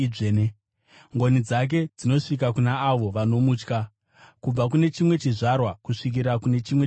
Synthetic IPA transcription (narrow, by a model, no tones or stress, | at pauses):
ene | ŋɡo̞nid͡zak̬e̞d͡zino̞ʂik̬akunaːʋo̞ʋano̞muːt͡ʃka | kub͡vak̬une̞t͡ʃimwe̞t͡ʃiʐarwakuʂik̬iɾakune̞t͡ʃimwe̞